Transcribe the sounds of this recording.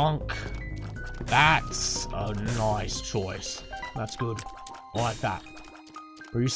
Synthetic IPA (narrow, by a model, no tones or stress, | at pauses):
ʌ̃ŋk | ðætsənaɪst͡ʃʰɔɪsðætsɡ̥ʊd̥̚laɪk̚ðæ̰t̚ | b̥ət͡ʃɨs